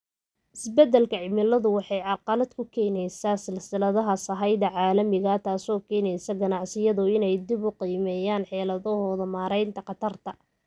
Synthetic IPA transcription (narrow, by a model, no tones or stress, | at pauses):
ʔɪsbɛd̪ɛlkʰɐʕɪmɪlɐðʊwɑħɑjʕɑqɑlɐd̪kʰʊkʰɛːnɛjsasɪlsɪlɐðɐɦɐsɐɦɑjðɐʕɑːlɐmɪɣɐt̪ʰaːsɔːkʰɛːnɛjsɐɡɐnɑʕsɪjɐðʊɪnɛjd̪ɪbʊqiːmɛjaːnħɛːlɐðɔɦɔːðɐmaːɾɛjnt̪ʰɐqɑt̪ʰɐrt̪ʰɐ